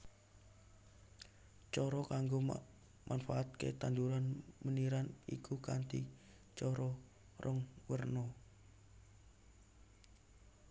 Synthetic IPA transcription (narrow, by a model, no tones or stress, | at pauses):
t͡ʃɔɾɔkaŋɡo | mʔanfaʔat̪̚kḛt̪and̪uɾanməniɾanḭkukant̪ḭ | t͡ʃɔɾɔ | rʔɔŋwərnɔ